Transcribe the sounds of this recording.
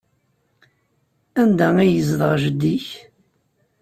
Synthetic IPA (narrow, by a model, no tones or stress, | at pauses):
ænd̪ææjəzðˤəʁʒəd̪ːiç